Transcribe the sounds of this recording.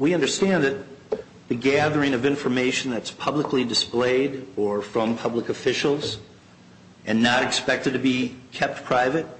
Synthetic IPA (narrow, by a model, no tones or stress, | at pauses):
wiʌ̃ndə˞stæ̃nðɨt̪̚ | ðɨɡæðə˞ɪ̃ŋʌvɪ̃ɱfə˞meɪʃn̩ðɨtspʰʌbləklidɨspleɪɾə˞fɹʌ̃mpʰʌbləkɨfɪʃl̩ˠz | ʔɨ̃nːəɾɨkspɛk̚tɨd̚tʰɨbikʰɛp̚t̚pʰɹ̥aɪvɨt̚